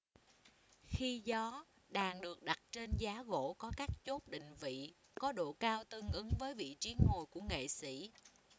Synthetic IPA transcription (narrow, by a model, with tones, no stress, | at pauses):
xi˧zɔ˨˦ | ɗaː˨˩ŋɗɨ˨˩ək̚ɗa˨˩t̚t͡ɕe˧nzaː˨˦ɣo̰˧˥kɔ˨˦kaː˦˥k̚t͡ɕo˦˥t̚ɗḭ̈˧˨ŋ̟vḭ˧˨ | kɔ˨˦ɗo̰˧˨kaː˧wt̪ɨ˧ŋʔɨ˨˦ŋvəː˨˦jvḭ˧˨t͡ɕi˨˦ənho˨˩jku˧˩əŋḛ˧˨sḭ˧˩˥